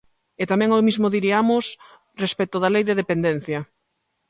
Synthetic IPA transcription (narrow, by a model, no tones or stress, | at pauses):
et̪amɛ̃ŋomizmoðiɾiamos | respɛt̪oðalejðeðepend̪en̟θjɐ